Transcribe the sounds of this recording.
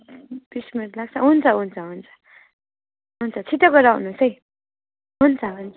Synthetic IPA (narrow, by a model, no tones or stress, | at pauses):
pismeɾlaɡ̚t͡sʰʌɦunt͡sʰʌɦunt͡sʰʌɦunt͡sʰʌ̥ | ɦunt͡sʰʌt͡sʰit̪ʌkʌɾaɦunusʌj | ɦunt͡sʰʌɦun